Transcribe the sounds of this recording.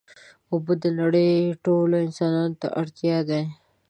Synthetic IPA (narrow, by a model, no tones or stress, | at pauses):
obəd̪ənaɽəjʈoloɪnsɑnɑnot̪a̰ʔaɽt̪jɑd̪a